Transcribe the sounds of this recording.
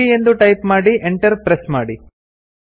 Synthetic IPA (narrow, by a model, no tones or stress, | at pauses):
ie̞nd̪uʈɐjpmaːɽiʔeɳʈɐɾpɾesmaːɽi